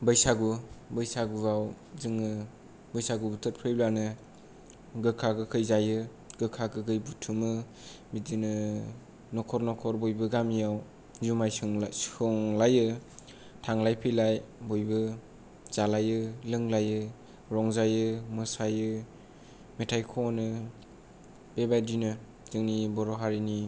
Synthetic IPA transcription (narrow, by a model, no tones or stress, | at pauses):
bɯjsaɡubɯjsaɡuɡaw | zɯŋɯ | bɯjsaɡubutʰɯt̚pʰɯjblanɯ | ɡɯkʰaɡɯkʰɯjzajɯ | ɡɯkʰaɡɯɡɯjbutʰumɯ | bidinɯ | nɔkʰɔɾnɔkʰɔɾbɔjbɯɡamijaw | zumajsɯŋɯŋlajɯ | tʰaŋlajpʰilajbujbɯ | z̥alajɯlɯŋlajɯ | ɾɔŋzajɯmɯsajɯ | metʰajkʰɔnɯ | b̥ebadinɯ | z̥ɯŋnibɔɾɔɦaɾini